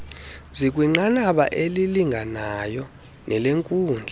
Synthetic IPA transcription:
zik̬ʼwiŋ͡ǃanaɓa̰ʔeliliŋɡʱanajɔ | nɛleŋkʼuːnd͡ɮʱa

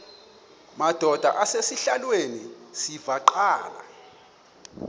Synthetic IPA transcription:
mad̥ʱɔd̥ʱa̰ʔasesiɬalwenisivaǃaːla̰

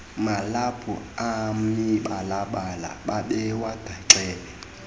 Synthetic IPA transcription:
malapʰɔ̰amiɓalaɓala̰ɓaɓɛwad̥ʱaǀɛːɓɛ

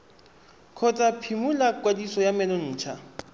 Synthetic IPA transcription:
kʰɔt͡sʼapʰimulakʼwadisɔjamɛlɔn̩ːt͡ʃʰa

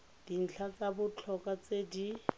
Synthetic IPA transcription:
d̥in̩t͡ɬʰat͡sabʊt͡ɬʰɔkʼat͡sedi

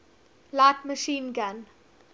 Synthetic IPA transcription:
laːʈməʃĩːnɡan

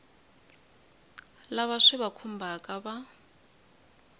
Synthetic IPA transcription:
laβaʂɛβakʰum̩bʱakʼaβa

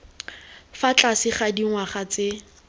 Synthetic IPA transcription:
fat͡ɬʼasɪχadiŋwaχat͡se

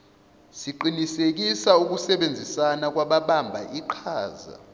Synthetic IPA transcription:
siǃinisek̬isauk̬usɛɓend͡zʱisanak̬waɓaɓambʱaʔiǃʰaːza̰

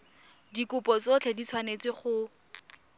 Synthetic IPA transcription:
dikʊpɔt͡sot͡ɬʰedit͡sʰwanet͡sɪχʊ

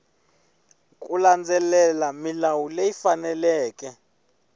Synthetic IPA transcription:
kʼuland͡zɛlɛlamilawulejifanɛlɛːk̬ʼɛ

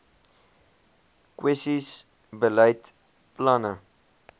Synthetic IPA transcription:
kwʔɛsis | bəlɛjt | planə

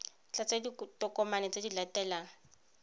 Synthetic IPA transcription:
t͡ɬat͡sʼaditʼɔkɔmanɛt͡sʼedilatʼɛːlaːŋ̩

